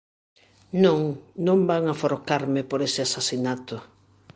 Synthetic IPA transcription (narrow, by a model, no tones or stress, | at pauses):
nõŋnõmbaŋafoɾkaɾmɪpoɾesɪasasinat̪ʊ